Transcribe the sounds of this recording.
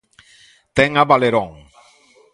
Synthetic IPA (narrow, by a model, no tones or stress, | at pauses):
t̪ɛŋaβaleɾõŋ